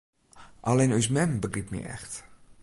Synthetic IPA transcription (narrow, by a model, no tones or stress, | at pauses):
ʔalenys̬mɛmbəɡripmḭɛ̰xt